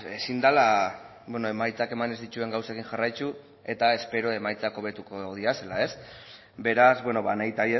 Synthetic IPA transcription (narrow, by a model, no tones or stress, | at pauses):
e̞sind̪ala | bweno̞e̞majt͡sake̞mane̞zd̪it͡ʃue̞ŋɡawsakiŋʝarajt͡ʃu | e̞t̪ae̞spe̞ɾo̞e̞majt͡sako̞β̞e̞t̪uko̞ð̞iase̞lae̞s | be̞ɾazβweno̞βanajt̪aɾie